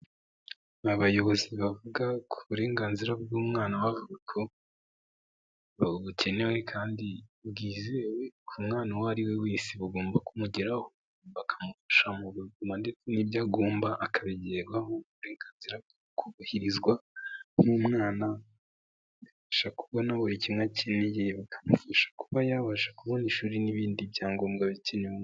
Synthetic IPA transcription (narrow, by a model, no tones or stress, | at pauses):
aβajo̞βo̞ziβavuɡakʰuβuɾe̞ːŋɡaːnziɾabɡuːmŋaːnawavuɡakʰo̞ | βaβuce̞ne̞we̞kʰaːndibɡiːzewe̞kʰumŋaːnawaɾiwe̞wiːsiβuɡo̞ːmbakumuɟeɾaho | βakʰḁmufḁʃamuβuɡumande̞t͡senibjaɡoːmbaʔakʰaβiɟeɡɡwaɦouɾeːŋkaziɾa | kʰuβahiɾizɡwanumŋaːna | βifaʃakuβonaβoɾicimŋacenejeβakʰḁmufaʃḁkuβajaβaʃḁkuβo̞niʃuːɾiniβiːndibjaːŋɡoːmɡaβicenew